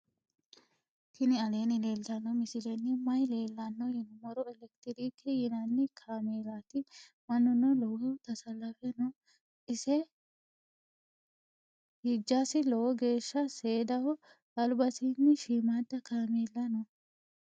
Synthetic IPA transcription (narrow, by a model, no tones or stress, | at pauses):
kʰɪnɪɐle̞ːnɪle̞ːlt̪ɐnːɔmɪsɪlɛnːɪmɐjle̞ːlːɐnːɔjɪnmɔɾɔɛlɛkt̪ɪɾikɛjɪnɐnːɪkʰaːmeːlat̪ɪ | mɐnːʊnɔlɔwɔt̪ɐsɐlːɐfɛnɔ | ʔɪsɛ | hid͡ʒːasɪlɔwɔɡe̞ːʃːɐseːd̪ɐwɔ | ɐlʊbɐsinːɪʃiːmaːd̪ːɐkaːmeːlːɐnɔ